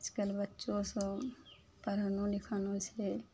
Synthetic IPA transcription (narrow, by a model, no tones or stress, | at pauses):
d͡ʒkəlbətːʃõsõ | pəɾənõlɪkʰənõsʰe